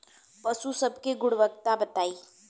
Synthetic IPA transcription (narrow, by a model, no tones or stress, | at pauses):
pəsusəbkeɡʊɽʋək̚t̪abət̪aːiː